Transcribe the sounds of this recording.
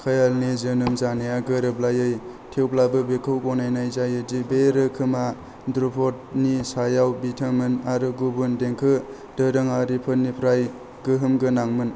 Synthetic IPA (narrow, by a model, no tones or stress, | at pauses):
kʰəjalnizɯnɯmzanejaɡɯɾɯblajɯj | tʰewplabɯbekʰɯwkɔnajnajzajɯdibeɾɯkʰɯma | dɾupʰɔt̚nisajawbitʰɯmɯnaɾɯɡubundeŋkʰɯ | dɯɾɯŋaɾipʰɯt̚nipʰɾaj | ɡɯɦɯmɡɯnaŋmɯn